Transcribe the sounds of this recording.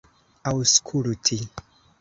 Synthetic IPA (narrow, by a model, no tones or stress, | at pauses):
awskʰuɾitʰi